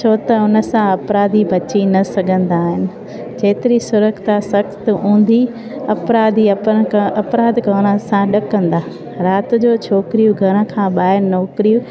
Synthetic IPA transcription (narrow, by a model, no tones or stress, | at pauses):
t͡ɕʰoːt̪ɐʊnə̆sãɐpɾaːd̪ibɐt͡ɕinɐsɐɡʱə̃nd̪aːɦɪnɪ̆ | d͡ʑeːt̪ɪɾisʊɾəkt̪ʰasɐxt̪ũːn̆d̪i | ɐpɾaːd̪iɐɐpɾaːd̪kɐɽ̃əsãɗɐkɐ̃nd̪aː | ɾaːt̪ʊ̆d͡ʑoːt͡ɕʰoːkɾijũɡʱɐɽ̃ə̆kʰãːɓaːɦɪɾnɔːkɾijũ